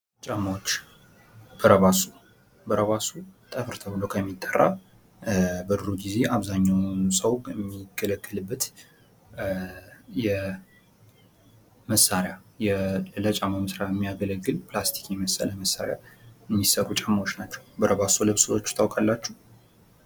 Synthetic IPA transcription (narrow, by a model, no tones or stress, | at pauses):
t͡ʃʼaməwot͡ʃː | b̥əɾəβasu | bəɾəβasut̪ʼəfɨɾt̪ʰəbɨlokʰəmːit̪ʼːərːa̰ | bəd̪ɨɾuɡize̞ʔaβzaɲːawnsʼəwmːiɡələkːəlɨbːət̪ | jɛ | məsːaɾjajɛlət͡ʃʼaməmɨsɾajɛmːijaɡələɡːɨlpʰlast̪ʰi̥kjɛməsə̰ləməsːa̰ɾja̰jɛmːisəɾut͡ʃʼamawot͡ʃːnat͡ʃːɛwbəɾəβasulɨβsɨwot͡ʃːt̪ʰawkʼalːat͡ʃːɛ